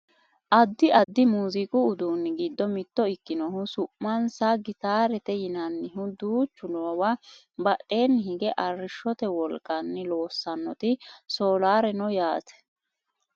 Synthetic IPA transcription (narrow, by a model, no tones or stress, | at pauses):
ʔɐd̪ːɪʔɐd̪ːɪmuːzɪkʼʊːd̪uːnːɪɡiːd̪ːɔmɪt̪ːɔɪkːɪnɔhʊsʊʔmɐnsaɡɪt̪aːɾɛt̪ɛjɪnɐnːɪɦʊd̪uːt͡ʃːʊloːwa | bɐʔːe̞ːnːɪhɪɡɛʔɐrːɪʃːɔt̪ɛwɔlkʼːɐnːɪlo̞ːsːɐnːɔt̪ɪso̞ːlaːɾɛnɔjaːt̪ɛ̥